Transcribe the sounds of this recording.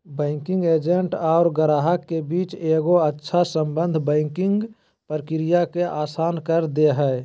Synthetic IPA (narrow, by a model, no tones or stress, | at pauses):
bɛ̃ːŋkɪ̃ŋɡeːd͡ʒəɳʈaːɾɡəɾaːɦəkːebiːt͡ʃeːɡoətːʃʰasə̃mbə̃nd̪ʱbɛ̃ɪŋkɪ̃ŋɡ | pəɾkɪɾijakeʔaːsaːnkəɾd̪eɦɛː